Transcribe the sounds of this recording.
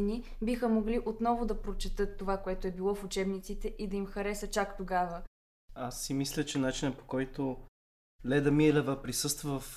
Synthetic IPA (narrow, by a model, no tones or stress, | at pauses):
ni | bixəmoɡliʔot̪nɔvʊd̪ɐpɾot͡ʃɛt̪ɤt̪ːovakoɛt̪oɛbilˠɔfut͡ʃɛbnit̪sit̪ɛʔid̪ɐimxɐɾɛsət͡ʃakt̪oɡavə | asːimislʲət͡ʃɛnat͡ʃinəpo̥kɔjt̪o | lɛd̪ɐmiɛlɛvəpɾisɤst̪vəf